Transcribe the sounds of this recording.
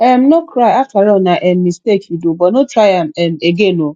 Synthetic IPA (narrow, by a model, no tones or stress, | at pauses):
ɛm̩nokɾaafaɾɔnaʔɛm̩mistekidobɔnotɾajam̩ɛm̩eɡeno